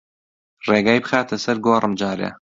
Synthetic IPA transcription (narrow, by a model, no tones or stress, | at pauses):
reːɡaːjbɨxaːt̪ʰɐsɐɾɡoːrɨmd͡ʒaːɾḛ